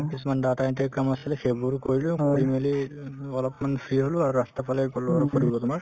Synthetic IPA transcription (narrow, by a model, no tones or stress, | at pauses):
kisumandatajnt̬ɛkamasilxebuɹkoɹilʊkoɹimeliɔlɔpmanpʰiɦolʊaɹuɹastapʰalɛkɔlɔɔɔkʰoɹibɔlɔtʊmaɹ